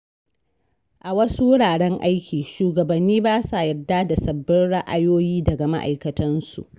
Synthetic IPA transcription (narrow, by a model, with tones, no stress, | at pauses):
ʔa˨wɐ˦su˦wʊ˦ɽaː˨ɽɛ˦ŋʔa˦jkʲiː˨ʃuː˨ɡɐ˨bɐ˨nːiː˦baː˦sa˨jɐ˨rdaː˦da˨sɐ˨bːɪ˦nɽa˦ʔa˦joː˦jiː˦dɐ˨ɡa˨ma̰˦ʔa̰˨jkɐ˨tʰɐ˦nsṵ˨ʔ